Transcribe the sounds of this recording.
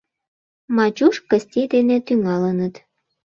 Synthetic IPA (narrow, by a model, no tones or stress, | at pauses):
mɑt͡ɕuʃkəsʲt̪ʲid̪enet̪yŋɑlənət̪